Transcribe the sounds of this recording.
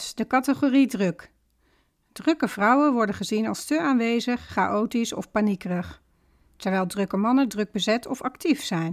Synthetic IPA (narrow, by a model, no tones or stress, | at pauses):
dəkɑtəχoːridrɵk | d̥rɵkəv̥rʌwənʋɔɹdənχəzinɑlˠstəaːnʋejzəχːa̰ʔowtisɔ̰fpanikrəχ | tɛɹʋɛlˠdrøkəmɑnədrɵɡ̚bəzɛtɔfɑktifsɛjn